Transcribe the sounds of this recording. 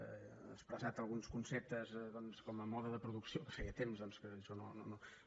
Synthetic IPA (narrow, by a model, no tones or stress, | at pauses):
ə̰kspɾəzat̪əlˠɣunskunsep̚t̪əzðɔnskɔməmɔðəðəpɾuðuksiokə̥feɣeət̪emzðɔnskəʃono̰nono